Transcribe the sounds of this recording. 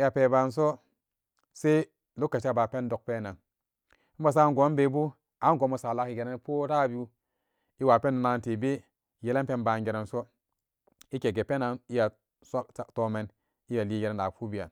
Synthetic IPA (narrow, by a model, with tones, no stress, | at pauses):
i˦ja˨pe˨ba˨ns̬o˦ | se˦ | lu˦kːa˨t͡ʃa˦ba˨pe˦n˦do˨k̚pe˦na˨n̩˦ | ba˨s̬a˦nɡo˨˦m˦be˨˦bu˦ | a˨˦n˦ɡo˨˦mu˨sa˨la˦ki˨ɡe˨ne˦n˦po˦ɾa˦˨bi˦u˦ | i˦wa˨pe˦nːu˨na˨n˨te˨be˦˨ | je˦le˦pe˦nba˨nɡe˨ɾe˨nso˦ | i˦ke˨ɡe˨pe˦na˨ni˦ja˨ | sto˦me˨n | i˦ja˨li˦je˨ɾe˦na˨fu˦bi˨ja̰˨n